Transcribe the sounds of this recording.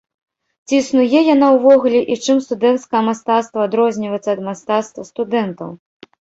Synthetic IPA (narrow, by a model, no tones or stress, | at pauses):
t͡sʲiːsnujɛjanawvɔɣulʲɛʔit͡ʂɨmst̪ud̪ɛnt̪skɐjɐmast̪at̪st̪vɐːd̪ɾɔzʲnʲivəjt̪sːɐd̪mast̪at̪st̪vɐst̪ud̪ɛnt̪ɐw